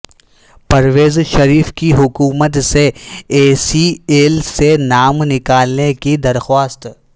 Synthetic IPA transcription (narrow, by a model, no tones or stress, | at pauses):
pɐɾʋeːzʃɐɾiːfkiɦʊkuːmət̪seeːsieːlsenaːmnɪkaːlnekid̪ɐɾxaːst̪